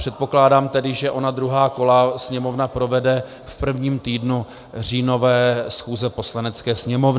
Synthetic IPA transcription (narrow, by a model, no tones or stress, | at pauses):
pr̝̥ɛt̪̚po̞klaːdaːmt̪ɛdɪʒɛʔo̞nad̪ɾuɦaːko̞lasɲɛmo̞vnapɾo̞vɛdɛ | fpr̩vɲiːmt̪iːdnu | r̝iːno̞vɛːsxuːzɛpo̞slanɛt͡skɛːsɲɛmo̞vnɪ